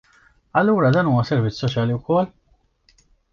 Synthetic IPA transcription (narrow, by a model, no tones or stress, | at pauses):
ɐlːuːɾɐd̪ɐːnuːwɐsɛɾvɪt͡sːsɔt͡ʃjɐːliwkɔlː